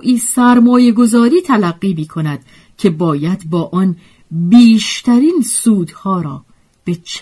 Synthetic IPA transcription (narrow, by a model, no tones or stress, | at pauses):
ʔiːsæɾmɒːje̞ɡo̞zɒːɾiːt̪ʰælæɢːiːmiːkʰo̞næd̪̥ | cʰe̞bɒːjæd̪bɒːʔɒn | biːʃt̪ʰæɾiːnsuːd̪̥hɒːɾɒː | b̥et͡ʃʰ